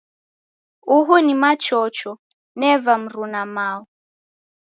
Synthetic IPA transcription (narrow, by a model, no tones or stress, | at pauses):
uɦunimat͡ʃɔt͡ʃɔ | nɛvam̩ɾunamaɔ